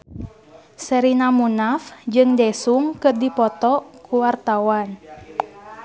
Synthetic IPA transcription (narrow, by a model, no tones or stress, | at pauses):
səɾinamunafd͡ʒɨŋdɛsuŋkɨrdipɔt̪ɔkuwart̪awan